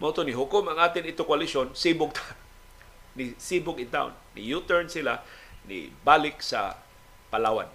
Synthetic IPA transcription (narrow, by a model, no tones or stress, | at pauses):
mot̪onɪɦʊkʊmaŋʔaːt̪ɪnɪt̪ʊkwalɪsonsibʊɡ̚t̪ʰa | nisibʊɡɪt̪a̰ʊ̰nːḭjut̪ɛɹnsɪlanḭbalɪksa̰ | palaːwa̰n